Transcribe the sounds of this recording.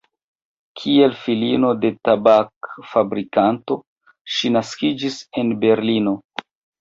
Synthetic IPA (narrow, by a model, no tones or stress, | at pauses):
kʰie̞lfilino̞de̞tabakfabɾikanto̞ | ʃinaskid͡ʒise̞nbe̞ɾlino̞